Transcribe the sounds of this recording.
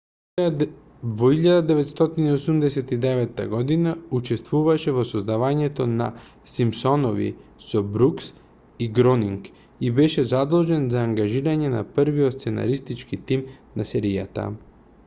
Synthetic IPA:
vɔiʎad̪ad̪ɛvɛt̪st̪ɔt̪iniosumd̪ɛsɛt̪id̪ɛvɛt̪ːa̰ɡɔd̪inaut͡ʃɛst̪vuvaʃɛvɔsɔzd̪avaɲɛt̪ona̰ | simpsɔnovḭsɔbɾuks | iɡɾɔniŋk | ibɛʃɛzad̪olˠʒɛnzaːŋɡaʒiɾaɲɛna̰pəɾviɔt̪st̪sɛna̰ɾist̪it͡ʃkit̪imnasɛɾija̰t̪a̰

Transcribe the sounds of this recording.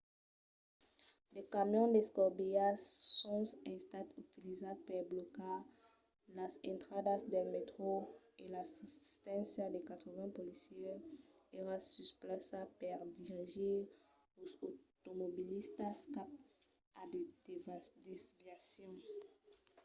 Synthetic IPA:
lekamjɔ̃d̪eskɔʁbijasɔ̃sɛ̃st̪at̪ut̪ilizapɛbloka | lazɛ̃nt̪χad̪asd̪ɛlmet̪χo | elasi̥st̪ɛ̃sjad̪ekat̪χəvɛ̃polisjɛ | eʁasysplasapɛʁd̪iʁiʒiʁ | ozot̪omobilist̪askap̚ | adedvd̪ɛsvjasjɔ̃

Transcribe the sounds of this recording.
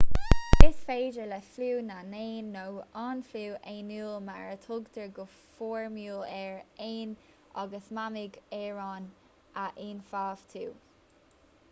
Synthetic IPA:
d̥ɪsfeːd͡ʒəlɛfluːnaneːnːowɑːnfluːʔeːnuːlma̰ɹətʰʊɡd̪ʰəɹɡə | fɔːɹmjuːlɛɹeːn | ʔɑɡəsmamɪɡɛɹɑːn | ʔaʔinfaːvt̪ʰuː

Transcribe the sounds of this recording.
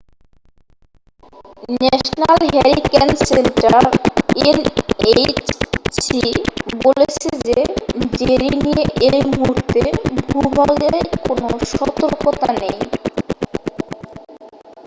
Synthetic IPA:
nɛʃnalɦɛɾikensenʈaɾenet͡ɕsibolet͡ɕʰed͡ʑed͡ʑeɾinijeʔejmuɦuɾt̪ʰebʱubʱaleɾkonoʃɔt̪oɾkot̪anej

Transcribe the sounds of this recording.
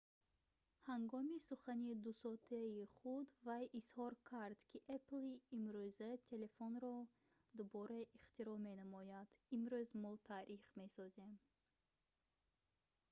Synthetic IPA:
haŋɡɔmisuχanid̪usɔt̪ʰaiχud̪vajʔishɔɾkʰaɾd̪̥kʰiʔepliːmɾuzɛt̪ʰe̞le̞fonɾɔ | d̪ubɔɾɛiχt̪iɾɔme̞næmɔjad̪̥imɾyzmɔt̪ʰaːɾiχme̞sɔze̞m

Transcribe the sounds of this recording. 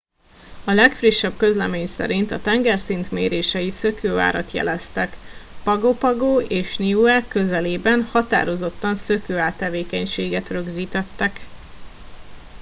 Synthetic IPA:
ɒlɛkfriʃːɛbkø̞zlɛmeːɲsɛ̰ɾint̪ɒt̪ɛŋɡɛrsint̪mḛːɾeːʃɛjisø̞køːa̰ːɾɒt̪jɛ̰lɛst̪ɛkpɒɡopɒɡoːeːʃniuɛkø̞zɛleːbɛnhɒt̪a̰ːɾo̞zo̞t̪ːɒnsø̞køːaːt̪ːɛveːkɛɲʃeːɡɛt̪rø̞ɡziːt̪ɛt̪ːɛk

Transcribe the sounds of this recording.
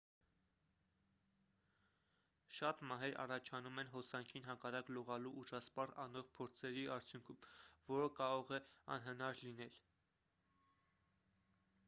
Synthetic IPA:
ʃɑt̪mɑɦɛɾɑ̰rɑt͡ʃʰɑnumɛnɦɔsɑŋkʰinɦɑkɑrɑklɔʁɑluʔuʒɑspɑrɑnɔʁpʰɔɾt͡sʰɛɾiʔɑɾt͡sʰjuŋkʰumvɔɾəkɑɾɔʁɛɑ̰nɦənɑɾlinɛl

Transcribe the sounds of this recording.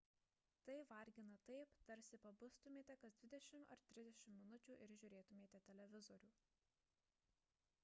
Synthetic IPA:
t̪ɐɪʋɐɾʲɡʲɪnɐt̪ɐɪpt̪ɐɾʲsʲɪpɐbʊst̪ʊmʲeːt̪ʲɛkɐsd̪ʋʲɪd̪ʲɛʃʲɪmɐ̰ɾt̪ʲɾʲɪzd̪ʲɛʃʲɪmːmʲɪnʊt͡ʃʲuːʔɪɾʒʲʊɾʲeːt̪ʊmʲeːt̪ʲɛt̪ʲɛlʲɛʋʲɪzɔɾʲuː

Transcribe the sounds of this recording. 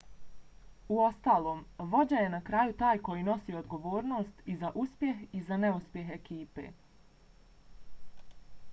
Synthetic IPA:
uost̪aːlˠo̞ːmʋo̞d͡ʑaje̞nakɾaːjut̪aːjko̞jino̞sio̞d̪ɡo̞ʋoːɾno̞ːst̪izaʔuspje̞ɦizaneuspje̞ɦe̞kiːpe̞̰ː

